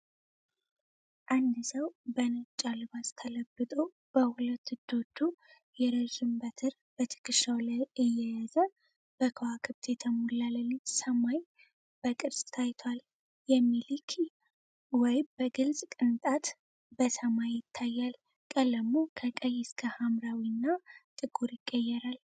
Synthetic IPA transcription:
ʔand̪ɨsəwbənət͡ʃʼːalɨbast̪ʰələbːɨt̪ʼo | b̥əhʊlət̪ːɨd̪o̞d̪u | jɛɾəzɨmbət̪ʰɨɾ | b̥ət̪ʰɨ̥kʰʼɨʃawlaɨjːɛjazə | b̥əkʰəwakʰɨβt̪ʰjɛt̪ʰəmulːaləlːisəmaj | b̥əkʼɨɾsʼt̪ʰajt̪ʰwal | jɛmːilikʰi | wɔjbəɡɨlsʼkʼɨnt̪ʼat̪ | b̥əsəmajːɪt̪ʰːajːal | kʼələmːokʰəkʼəjːɛskʰəhamɾawinːat̪ʼɨɡuɾjɪkʼːəjːɛɾal

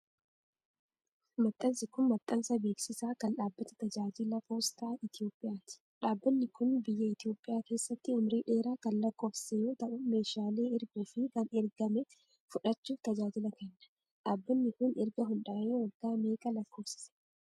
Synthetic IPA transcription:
mɐt̪ʼːɐnsɪkʊnmɐt̪ʼːɐnsɐbe̞ːksɪsaːkɐnɗaːbːɐt̪ɐ̥t̪ɐd͡ʒaːd͡ʒɪlɐpo̞ːst̪aːɪt̪ɪjo̞ːpʼːɪjaːt̪ɪ̥ᶑaːbːɐnːɪkʊnbɪjːɐɪt̪ɪjo̞ːpʼːɪjaːke̞ːsːɐt̪ːɪʊmɾiːᶑe̞ːɾaːkɐnlɐkːo̞ːfsejo̞ːt̪ɐʔʊme̞ːʃaːle̞ːɪɾɡuːfɪkɐnɛɾɡɐmɛ | fʊᶑɐt͡ʃːuːft̪ɐd͡ʒaːd͡ʒɪlɐkɛnːɐ̥ | ᶑaːbːɐnːɪkʊnʔɛɾɡɐɦʊnᶑaːʔeːwɐlɡaːmeːkʼɐlɐkːo̞ːfsɪ̥sɛ̥

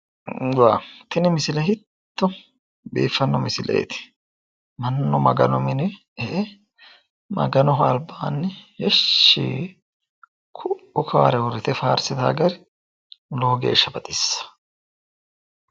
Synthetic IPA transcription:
waːt̪ɪnɛmɪsɪlɐɦɪt̪ːʊ | bḭːfːɐnːɔmɪsɪlʔḛːt̪ɪ̥ | mɐnːɔmɐ̰ɡɐ̰nɔmɪnɛ | e | mɐ̰ɡɐnɔɦɐlbaːnːɪhɛʃːḭː | kʰʊʊkʰaːɾɛwʊɾɪt̪ɛfaːɾsɪt̪a̰ːɡɐɾ | loːɡḛːʃːɐbɐt̪ʼɪsːɐ̥

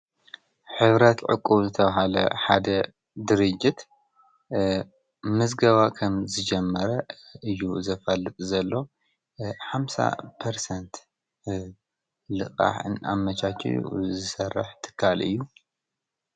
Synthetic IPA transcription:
ħɨβɾɐt̪ʕɨ̰kʼːuβzɨt̪ʰɐβaɦalɐ̰ħad̪ɐ | d̪ɨɾɨd͡ʒit̪ | mɨzɡɐβakʰɐmzɨd͡ʒɛmːɐɾɐɨjːuzɐfɐlːɨt̪ʼzɐlːo̞ | ħamsa̰pʰɐɾsɐnt̪ | lɨqʼa̰ħɨ̰na̰mːɐt͡ʃʰat͡ʃ̪ʰḭzɨsɐrːɨ̰ħt̪ʰɨ̥kʰːalɨ̰jːu

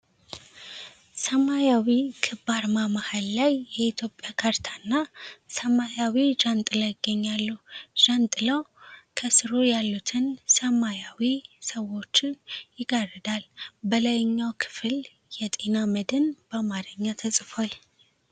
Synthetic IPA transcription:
səmajawikʰɨbaɾmaməhallajːɛit̪ʰjo̞pʼjakʰaɾt̪ʰḁnːasəmajawid͡ʒant̪ʼɨləjɪɡːəɲːalːuʒ̥ant̪ʼɨləwkʰəsɨɾojalːut̪ʰɨnsəmajawisəwo̞t͡ʃːɪnjɪɡarɨd̪albələjɲːawkʰɨ̥fɨl | jɛt̪ʼe̞naməd̪ɨnb̥əmaɾəɲːat̪ʰəsʼfal

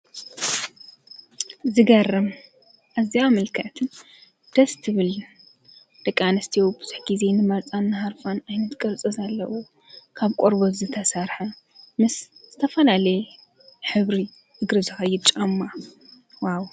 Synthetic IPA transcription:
zɨɡɐrɐm | ʔaziamɨlkʰɐʔt̪ʰɨn | d̪̥ɐst̪ʰɨβɨl | d̪̥ɐkʼːanɐst̪ʰijobɨz̥ɨħɡize̞nɨmɐɾt͡sʼanːɨɦaɾfanajnɐt̪ɡʼɐɾt͡sʼɐzalːɐwu | kʰaβkʷʼoɾbozɨt̪ʰɐsɐɾħɐ | mɨsz̥ɨt̪ʰɐfɐlalɐj | ħɨβɾi | ɨɡɾɨzɨxɐjːɪd̪̚t͡ʃʼɐmːa | waw

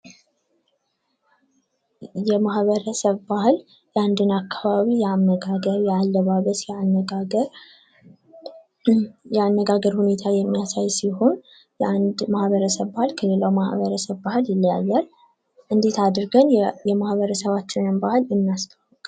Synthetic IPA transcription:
jɛmahβəɾəsəβbahɨl | jɛand̪ɨnakʰːaβaβijɛanːəɡaɡəɾjɛalːəβaβət̪jəɾ | jɛanːəɡaɡəɾhune̞t̪ʰajɛmːijasajsiho̞n | mahβəɾəsəβbahɨlkʰəle̞lawmahβəɾəsəβbahɨljɪlːjajːal | ʔɨnd̪e̞t̪ʰad̪ɨɾɡənjɛmahβəɾəsəβat͡ʃːɪnɨnbahɨlɨmːijast̪ʰəwːəkʼ

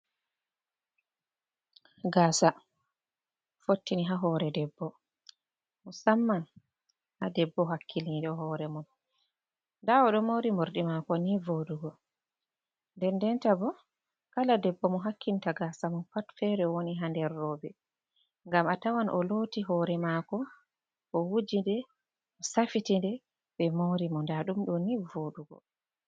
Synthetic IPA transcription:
ɡaːsa | fotːiniɦaɦɔːɾɛdɛbːɔ | mɔsamːan | hadɛbːɔɦakʰːiliɗɔɦɔːɾɛmun | dawɔɗɔmoɾimoɾɗimakɔnivoɗuɡɔ | ndɛndɛntabɔ | kaladɛbːɔmɔɦakʰːintaɡasamɔnpatfɛɾɛwoniɦandɛrːɔːbɛ | ŋɡamatawanʔɔ̰lotiɦɔːɾɛmakɔ | ʔɔwud͡ʒindɛ | ɔsafitindɛ | ɓɛmoɾimɔndaɗumɗɔnivoɗuɡɔ̰

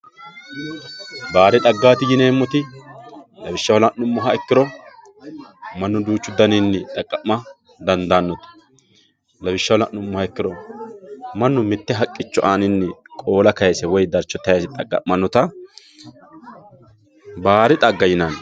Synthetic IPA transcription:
baːɾɪt̪ʼɐɡːaːt̪ɪjɪneːmːɔt̪ɪ | lɐbɪʃːɐwlɐʔnʊmːɔɦɐɛkːɪɾɔ | mɐnːʊd̪uːt͡ʃːʊd̪ːɐnɪnːɛt̪ʼɐkʼːɐʔmːɐ | d̪ɐnd̪aːnːɔt̪ɐ̥ | lɐbɪʃːɐwlɐʔnʊmːɔhɐɛkːɪɾɔ | mɐnːʊmɪt̪ːɛɦɐkʼːɪt͡ʃːɔʔanɪnːɛkʼo̞ːlɐkɐjɛsɛwɔjd̪ɐɾt͡ʃːɔt̪ːɐjɐsɪt̪ʼɐkʼːɐ̰ʔmːɐnːɔt̪ɐ | baːɾɪt̪ʼɐɡːɐjɪnan

